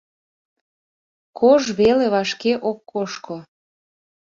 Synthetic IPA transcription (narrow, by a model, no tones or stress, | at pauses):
kʰoʒβeleβɑʃkeʔokːoʃko